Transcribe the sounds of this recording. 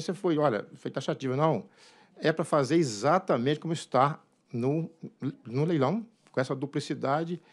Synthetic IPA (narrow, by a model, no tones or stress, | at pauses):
sefojɔʎɐ̰fojt̪aʃat͡ʃivɐnɐ̃w̃ | ɛpɾɐfazeɾezat̪ɐmẽt͡ʃɪkõmʊɪst̪a | nʊ | nʊlejlɐ̃w̃ | kõɛsɐd̪uplisid̪ad͡ʒɪ